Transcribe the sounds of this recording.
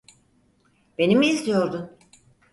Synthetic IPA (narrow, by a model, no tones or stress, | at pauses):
be̞nimiizd̪ijo̞ɾd̪un